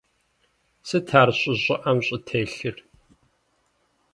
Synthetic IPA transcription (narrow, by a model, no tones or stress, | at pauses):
sɨtʰaːrɕʼɪʑʼɪʔɐmɕʼɪtʰeːɬɨr